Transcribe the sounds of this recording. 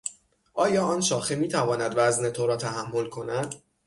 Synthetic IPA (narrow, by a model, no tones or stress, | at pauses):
ʔɒːjɒːɒːnʃɒːximiːt̪ʰævɒːnæd̪væzne̞t̪ʰoɾɒːt̪ʰæɦæmːolkʰo̞næd̪̥